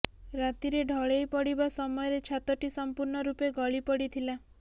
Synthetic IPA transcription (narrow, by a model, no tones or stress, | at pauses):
ɾat̪iɾeɖʱɔɭejpɔɽibasɔmɔjɔɾet͡ʃʰat̪ɔʈisɔmpuɾɳɔɾupeɡɔɭipɔɽit̪ʰila